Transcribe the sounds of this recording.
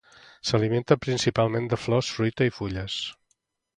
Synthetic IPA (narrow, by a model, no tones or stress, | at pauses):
səlimẽnt̪əpɾinsipalˠmend̪əflɔsfɾujt̪əifuʎəs